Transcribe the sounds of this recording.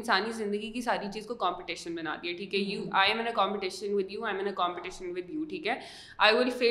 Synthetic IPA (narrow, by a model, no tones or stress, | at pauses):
nsaːnizɪ̃nd̪əɡikisaːɾit͡ʃiːzkokɔ̃ːmpɪʈɪʃə̃nbɐna̰ːd̪iɦɛʈʰiːkɦɛjuːʔaːɪɛ̃mɪ̃nəkãːmpɪʈɪʃə̃nʋɪd̪ʱjuːãɪ̃mɪ̃nəkɔ̃ːmpɪʈɪʃə̃nʋɪd̪ʱjuːʈʰiːkɦɛː | aːɪʋɪlfeː